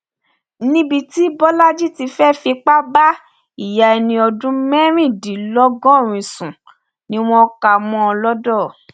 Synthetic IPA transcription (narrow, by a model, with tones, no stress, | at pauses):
nĩ˦bi˧ti˦bɔ˦la˦d͡ʒi˦ti˧fɛ˦fi˧k͡pa˦ba˦ | i˦˨ja˨ɛ˧nĩ˧ɔ˧dũ˦mɛ̃˦ɾ̃ĩ˦˨di˨˦lɔ˦ɡɔ̃˦˨ɾ̃ĩ˨sũ˨ | nĩ˦w̃ɔ̃˧˦ka˧˨mɔ̃˧ɔ˧lɔ˦dɔ˦˨